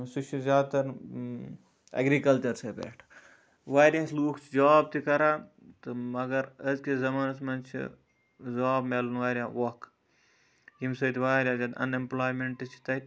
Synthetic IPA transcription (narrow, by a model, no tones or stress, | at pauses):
sut͡ʃʰizʲjaːd̪t̪ɐɾ | ɐ̰ɡɾiːkɐlt͡ʃɐɾsebḛːʈʰ | ʋaːɾʲjãːsluːkʰt͡ʃʰid͡ʒaːb̚t̪ikɐɾaː | t̪ɨmɐɡɐɾəzkezɐmaːnɐt̪ʰmɐnt͡ʃʰḭ | zaːbmelunʋaːɾʲjãːʋok | jimsɐt̪ʰiʋaːɾʲjãːd͡ʒɐnɐ̰nemplaːjmeɳʈɨt͡ʃʰi̥t̪ɐ